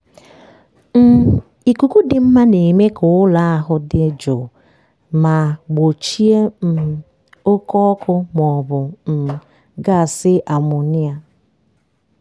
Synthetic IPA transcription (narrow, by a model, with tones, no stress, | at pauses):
m̩˦˨ | i˨ku˨ku˦dɪ˨m̩˦ma˦ne˨me˦kʊ˨ʊ˦la˦a˦ɦʊ˦dɪ˦d͡ʒo˨ | ma˨ɡ͡bo˨t͡ʃi˦e˦m̩˨ | o˦kɔ˦kʊ˦m˨ɔ˨bʊ˨m̩˨ | ɡa˦˨sɪ˦ʔa˨mʊ˨ni˦a˦